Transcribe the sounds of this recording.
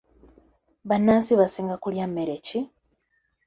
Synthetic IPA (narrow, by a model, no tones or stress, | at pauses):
βanːaːsiβasiːŋɡakuljamːeɾeci